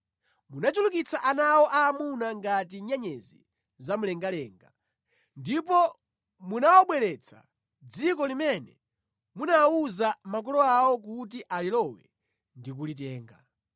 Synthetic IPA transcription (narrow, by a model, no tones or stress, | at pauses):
munat͡ʃulukit͡sʰaʔanawɔʔaːmunaŋɡatiɲaɲɛzḭ | zamulɛŋɡalɛːŋɡa | ndipɔ | munawɔɓwɛɾɛt͡sʰa̰ | d͡zikɔlimɛnɛ | munauzamak̬ɔlɔawɔk̬ut̬iʔalilɔwɛ̰ | ndikulit̬ɛːŋɡa̰